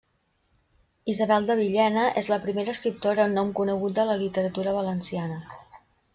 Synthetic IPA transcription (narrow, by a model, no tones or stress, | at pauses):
izəβɛlˠd̪əβ̞iʎɛnəʔezləpɾimeɾəːskɾip̚t̪oɾənːɔmkunəɣut̪̚d̪ələlit̪əɾət̪uɾəβ̞ələnsianə